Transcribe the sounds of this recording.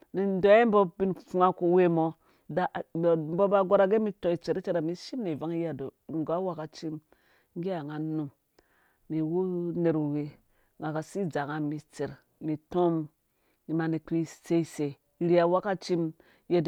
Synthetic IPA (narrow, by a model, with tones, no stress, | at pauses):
ni˨n˦do˨˦e˦m˦bo˦bi˦nfu˦ŋa˦ko˨we˦mo˦ | da˨m˦bo˦ba˦ɡo˦ɾa˦ɡe˦mi˦tõ˨i˨t͡ʃe˨ɾi˦t͡ʃe˦ɾa˨mi˦ʃi˦mni˨va˦ŋ˦ja˨do˨ŋ˨ɡa˦wa˦ka˨t͡ʃi˦m | ŋ˦ɡi˦a˨ŋa˨nu˨m | ni˨wu˦ne˨ɾu˨we˨ | ŋɡa˨ka˨si˦d͡za˨ŋa˨mi˨t͡se˨ɾ | mi˨to˦m | ni˨ma˨ni˨ki˦se˦se˨ | ɾi˦a˨wa˦ka˦t͡ʃi˦m | je˦d